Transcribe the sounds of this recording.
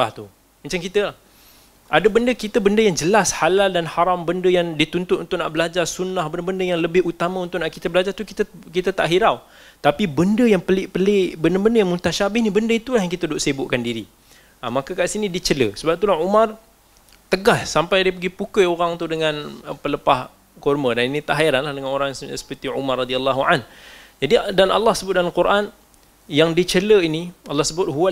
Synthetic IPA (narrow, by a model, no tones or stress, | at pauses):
aht̪u | mat͡ʃaŋkit̪əlah | ʔadəbəndəkit̪əbəndəjaŋd͡ʒəlashalaldanhaɾambəndəjaŋdit̪unt̪ʊt̪unt̪ʊʔnaʔbəlad͡ʒarsunːahbəndəbəndəjaŋləbɪhut̪amãunt̪ʊʔnaʔkit̪əbəlad͡ʒart̪ukit̪əkit̪at̪aʔɦiɾaw | t̪apibəndəjaŋpəlɪʔpəlɪʔbəndəbəndəjaŋmut̪aʃabɪhnibəndəit̪ulaɦjaŋkit̪ədʊʔsebʊʔkandiɾi | əmakəkaʔsinidit͡ʃələsəbap̚t̪ulaɦumar | t̪əɡassampajdiəpəɡipukəjoɾaŋt̪udəŋanəpələpah | kɔrmədaninit̪aʔɦajiɾanlahdəŋanoɾaŋssə̥pərt̪iʕumarrad̪ialːɑɦuand͡ʒadidanʔa̰lːahsəbʊt̪̚dalalkuɾʔan | jaŋdit͡ʃələinialːahsəbʊt̪̚ɦua